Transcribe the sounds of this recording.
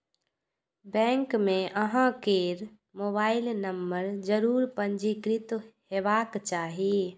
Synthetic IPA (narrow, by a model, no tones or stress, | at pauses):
bɛ̃ːŋkmẽʔəɦãkeːɾ | moːbaːɪlnəmbəɾd͡ʒəɾuːɾpəɲd͡ʒikɾɪt̪ɦhebaːkt͡ʃaːɦi